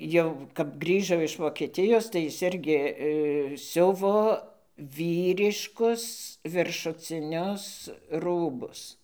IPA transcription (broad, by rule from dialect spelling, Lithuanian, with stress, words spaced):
ˈjɛʊ kɐp ˈɡrʲiːʒoː ɪʃ ʋoːkʲɛˈtʲɪjoːs tɐɪ ˈjɪs ˈɪrʲɡʲɪ ˈsʲʊʋoː ˈʋʲiːrʲɪʃkʊs ʋʲɪrʃʊt͡sʲɪˈnʲʊs ˈruːbʊs